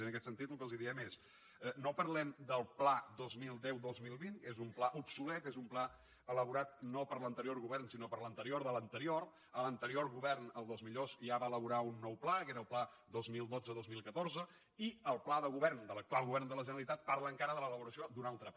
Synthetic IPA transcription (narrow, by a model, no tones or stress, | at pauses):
ənəkɛt̪sənt̪it̪lukəlˠziðiɛmes | nopəɾlɛmd̪əlˠplad̪ozmilˠd̪ɛwd̪ozmilˠβinkezumplaʔupsulɛt̪ezumpla | ələβ̞uɾat̪nopəɾlənt̪əɾioɾɣuβɛrnsinopəɾlənt̪əɾioɾðələnt̪əɾioɾ | ələnt̪əɾioɾɣuβɛrnəlˠd̪ozmiʎozʒaβaələβuɾaunːɔwplakeɾəlˠpla | d̪ozmilˠd̪od͡zəðozmilˠkət̪oɾzə | iəlˠplaðəɣuβɛrnd̪ələk̚t̪ualˠɣuβɛrnd̪ələʒənəlit̪at̪̚paɾləːŋkaɾəðələləβuɾəsiod̪unalˠt̪ɾə